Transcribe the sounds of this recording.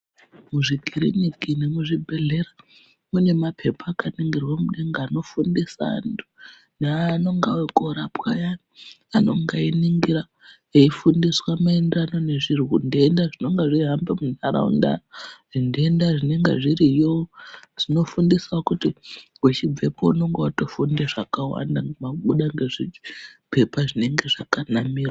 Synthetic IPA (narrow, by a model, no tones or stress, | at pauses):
muʐikiɾḭɲikine̞muʐibʱe̞ɮe̞ɾa | mune̞mapʰe̞pʰaːkaniŋɡirwamuɗeŋɡaːno̞fundisa̰ːntu̥ | naano̞ŋɡawokoɾapwa̰jani | ano̞̰ŋɡainiŋɡiɾa | eifundiswamaendirano̞ne̞ʐirwundiːndaʐino̞ŋɡeʐiɦambemunaɾa̰ṵnda̰raʐindiendaʐine̞ŋɡḛʐiɾijowoʐ̥ino̞fundisaokuti | ut͡ʃib͡ve̞pouno̞ŋɡewatofundeʐakawa̰ndaŋɡmaɓuɗaŋɡe̞ʐipe̞paʐine̞ŋɡe̞ʐakanamiːrwa